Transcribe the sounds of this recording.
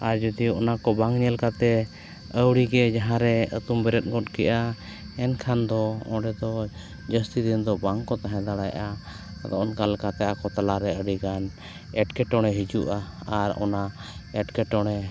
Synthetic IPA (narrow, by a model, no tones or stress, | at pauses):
aɾd͡ʒɔd̪iɔnakɔbaŋɲɛlkat̪ɛ | əwɽiɡɛd͡ʒaɦãɾɛə̰t̪umbɛɾɛt̪̚ɡɔtkɛʔa | ɛnkʰand̪ɔɔ̰̃ɖɛd̪ɔ | d͡ʒəst̪id̪ind̪ɔbaŋkɔt̪aɦɛ̃d̪aɽajʔa | d̪ɔʔɔnkalkat̪ɛʔakɔt̪alaɾɛəɖiɡan | ɛʈkɛʈɔɽ̃ɛɦid͡ʒuʔaaɾɔ̰naɛʈkɛʈɔɽ̃ɛ